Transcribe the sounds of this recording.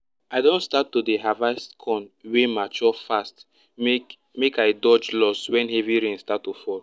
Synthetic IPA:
aɪdõnstatːodeɦavaskʰɔ̃nwemat͡ʃɔfast | mekaɪdɔd͡ʒlɔswɛ̃nheviɹẽnstatːofɔl

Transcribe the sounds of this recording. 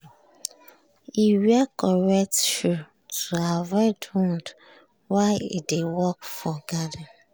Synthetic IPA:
iwiakɔɹɛk̚tʃu | tʰuavɔtʰɔ̃nd | waɪḭdewɔkfɔɡadan

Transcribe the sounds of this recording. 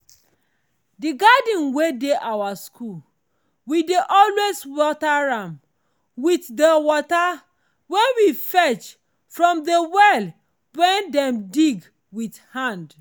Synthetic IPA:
diɡadĩnwedeʔawaskʰu | wideʔɔlweswɔtaɹãm | witdewɔta | wɛ̃wifɛt͡ʃ | fɹɔ̃mdewɛl | wɛ̃ndɛ̃mdiɡ | withãnd

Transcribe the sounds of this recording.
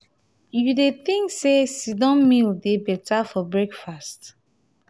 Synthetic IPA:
judeθĩŋksesidɔ̃mmildebɛtafɔbɹekfast

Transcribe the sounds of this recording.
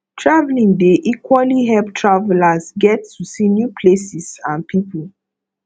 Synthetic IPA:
tʰɹavlĩŋdeʔikwɔliɦɛlptʰɹavɛlasɡɛtːusinjupʰlesisãnpʰipul

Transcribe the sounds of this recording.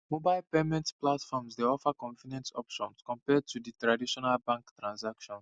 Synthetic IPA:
mobajlpemɛ̃ntplatfɔmsdeɔfəkɔ̃nfinɛ̃nsɔpʃɔ̃nskɔ̃mpɛd̚tʰuditɹadiʃɔnalbãŋktɹãnsakʃɔ̃n

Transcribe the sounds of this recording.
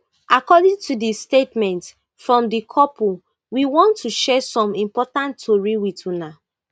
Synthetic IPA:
ʔakɔdĩŋtudistetmɛ̃nt | fɹɔ̃mdikʰɔpʰu | wiwɔ̃ntːuʃɛsɔ̃mĩmpɔtãntoɹiwituna

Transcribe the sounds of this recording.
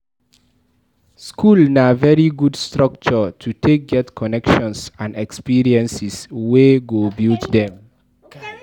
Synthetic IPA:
skʰulnavɛɹiɡudstɹʌk̚t͡ʃɔtʰutʰek̚ɡɛtkʰɔnɛkʃɔ̃nsãndɛkspiɹiɛ̃nsisweɡobiltdɛ̃m

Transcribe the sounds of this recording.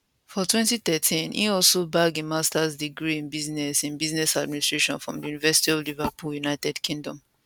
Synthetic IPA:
fɔtʰwɛ̃ntiθɛtʰĩnḭɔlsobaɡĩmastasdiɡɹiĩnbiznɛsĩnbiznɛsadmĩnistɹeʃɔ̃nfɹɔ̰̃mdijunivɛsi̥tiɔolivapuljunaɪtɛdkʰĩŋdɔ̃m

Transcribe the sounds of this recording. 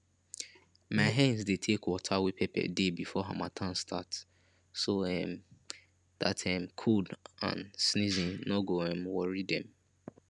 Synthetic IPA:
maɪɦãnzdetʰekwɔtʰawipʰɛpʰɛ̰debifɔɦa̰matʰãnstʰat | soɛm | da̰tʰamkʰudã̰nsnizĩnnɔɡoɛ̃mwɔɹidɛ̃m

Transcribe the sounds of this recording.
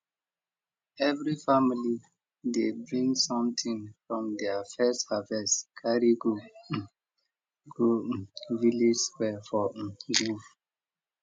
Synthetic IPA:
ɛvɹifamili | debɹĩŋsɔ̃mtʰĩŋfɹɔ̃mdɛafɛsthavɛskʰaɹiɡu | ɡuvilid͡ʒswɛfɔɡuf

